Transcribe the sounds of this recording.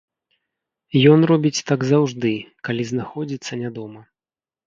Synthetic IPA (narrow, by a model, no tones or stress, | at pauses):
jɔnrɔbʲit͡sʲt̪aɡzawʐd̪ɨkalʲiznaxɔd͡zʲit̪sːɐnʲad̪ɔmɐ